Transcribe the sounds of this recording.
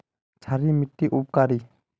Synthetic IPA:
t͡ʃʰaɾimɪʈːiʔup̚kaɾi

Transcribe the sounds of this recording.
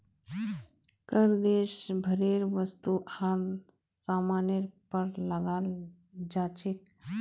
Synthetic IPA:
kəɾd̪eːʃbʱəɾeːɾʋəst̪uʔaːl | saːmaːnjəɾpəɾləɡaːl | d͡ʒaːt͡ʃʰɪk

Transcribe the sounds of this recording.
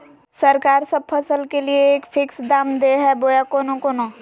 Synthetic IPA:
sɐɾkaːɾsɐb̚pʰɐsəlkelieːkpʰɪksd̪aːmd̪eɦɛboːjakoːnõkoːnoː

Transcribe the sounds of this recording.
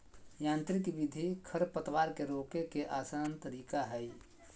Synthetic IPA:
jãːnt̪ɾɪkʋid̪ʱikʰəɾpət̪waːɾkeɾoːkekeʔaːsəənt̪əɾiːkaɦɛj

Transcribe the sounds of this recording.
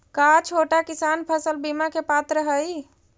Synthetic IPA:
kat͡ʃʰoʈakisanpʰəsəlbimakepat̪ɾəɦəj

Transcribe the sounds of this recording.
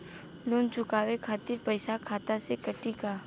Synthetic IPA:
loːnt͡ʃʊkaːwekʰaːt̪iɾpəɪsakʰaːt̪asekɐʈikaː

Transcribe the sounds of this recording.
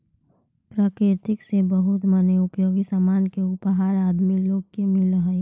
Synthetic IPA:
pɾaːkɾɪɾt̪ɪksebəɦʊt̪məneʊpjoːɡisamaːnkeʊpɦaːɾaːd̪miloːɡ̚kemɪlɾəɦɛ

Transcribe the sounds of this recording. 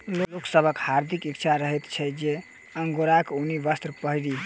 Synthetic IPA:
loloksəbʱəkhaɾd̪ʱikik̚t͡ʃʰaɾəɦɛt̪t͡ʃʰɛd͡ʒe | əŋɡoɾakunibəst̪ɾəpəɦiɾi

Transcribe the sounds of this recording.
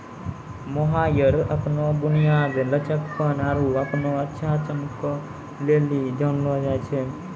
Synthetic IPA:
moɦaːjəɾəpnobʊnijaːɡ̪lət͡ʃəkpənaːɾuəpnoətːʃʰãt͡ʃəmkːo | leːlid͡ʒɔːnlod͡ʒaːet͡ʃʰe

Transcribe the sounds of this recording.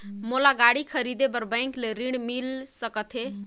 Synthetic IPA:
molaɡaɽikʰəɾid̪epəɾbə̃ŋkleɾiɽmilsəkət̪ʰɦe

